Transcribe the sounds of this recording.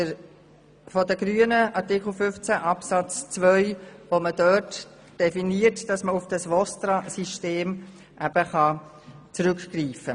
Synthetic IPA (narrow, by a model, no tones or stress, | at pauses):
ə | fɔdəɡ̥ɾyənəɑɾtikl̩ˠfʏft͡sæʔɑpsɑt͡st͡svœʏʋomədœt | d̥ɛfiniːətd̥ɑsməʊfd̥ɑsʋɔst̪ɾɑsiʃteːm | ʔæb̥əχɑ | t͡sɾʏkkriːfə